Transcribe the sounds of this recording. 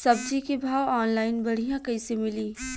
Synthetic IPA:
sɐbd͡ʒʱikibʱaːwɔːnlaːɪnbɐɽ̤ijãkɐisemɪliː

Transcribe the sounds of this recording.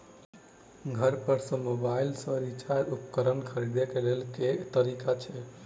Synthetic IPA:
ɡʱəɾpəɾsə̃mobailsə̃ɾit͡ʃaɾupkəɾənkʰəɾid̪ekelelket̪əɾikat͡ʃʰɛ

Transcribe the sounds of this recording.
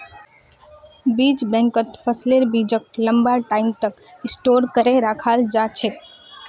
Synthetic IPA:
bid͡ʒbɛ̃ŋkət̪pʰəsleɾbid͡ʒək̚ləmbaʈaimt̪əkĩsʈoɾkəɾeɾakʰald͡ʒat͡ʃʰe

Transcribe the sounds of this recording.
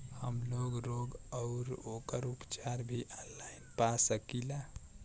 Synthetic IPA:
həmloɡɾoɡəʊɾokəɾupt͡ʃaɾbʱiʔanlainpasəkila

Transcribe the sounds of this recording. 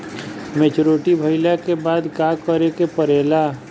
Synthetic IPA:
met͡ʃɾoːʈibʱəɪlakebaːd̪kaːkəɾekepəɾeːla

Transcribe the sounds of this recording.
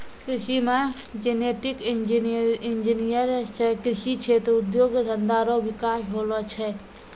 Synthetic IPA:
kɾɪʃimãd͡ʒeneːʈikind͡ʒiɪnd͡ʒinijəɾt͡ʃʰɛkɾɪʃit͡ʃʰeːt̪ɾəud̪joːɡd̪ənd̪aːɾɔʋɪkaːʃɦoːlɔt͡ʃʰɛ

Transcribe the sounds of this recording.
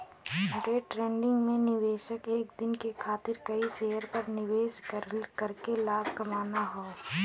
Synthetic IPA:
ɾeːʈɾẽːɳɖɪ̃ŋɡmẽnɪʋeːʃəkeːk̚d̪ɪnkekʰaːt̪ɪɾkɐiseːjəɾpɐɾnɪʋeːʃkɐɾkelaːb̚ʱkɐmaːnaɦoː

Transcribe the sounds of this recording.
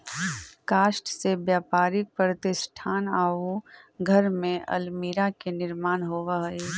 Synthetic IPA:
kaːʃʈsebjaːpaːɾɪk̚pɾət̪ɪsʈʰaːnaːoɡʱɐɾmẽʔɐ̰lmiːɾakenɪɾmaːnɦoːʋaɦe

